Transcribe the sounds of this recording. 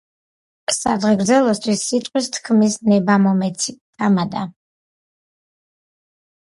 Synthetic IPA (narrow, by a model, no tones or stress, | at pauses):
sad̪ʁɛɡɾd̪zɛlˠɔst̪ʰwisːit̪ʼqʼwist̪ʰkʰmisnɛbamɔmɛt̪sʰit̪ʼʰamad̪a